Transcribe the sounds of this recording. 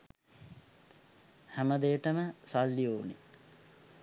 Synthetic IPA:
hæməd̪eːəʈəməsalːioːnḭ

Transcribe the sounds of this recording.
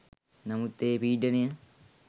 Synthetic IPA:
nɐmut̪ːeːpiːɖənejə

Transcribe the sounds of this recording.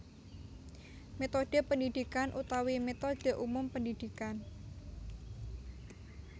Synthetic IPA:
met̪od̥ə̤pəndid̪̥i̤kanʔut̪awimet̪od̥ə̤ʔumʊmpəndid̪̥i̤kan

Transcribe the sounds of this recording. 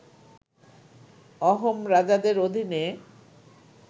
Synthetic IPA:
ɔɦomɾad͡ʑad̪eɾod̪ʱine

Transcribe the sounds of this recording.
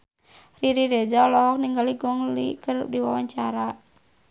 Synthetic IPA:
riɾiɾed͡ʒaɔlɔɦɔk̚niŋɡaliɡɔŋlḭkərup̚diwawaɲt͡ʃaɾa

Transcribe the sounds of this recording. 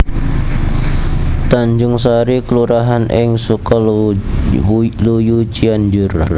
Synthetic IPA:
t̪aɲd͡ʒʊŋs̬aɾikəluɾaɦanʔɪŋsukɔ | lujut͡ʃiand͡ʒʊr

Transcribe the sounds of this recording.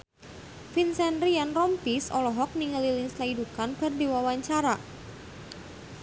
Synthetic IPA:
finsɛnɾianrɔmpisɔlɔɦɔk̚niŋəliliŋslaidukanpardiwawaɲt͡ʃaɾa

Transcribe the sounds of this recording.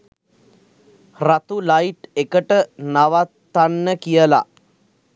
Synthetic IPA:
rat̪ulajiʈekəʈənaʋat̪ːanːəkijəla̰

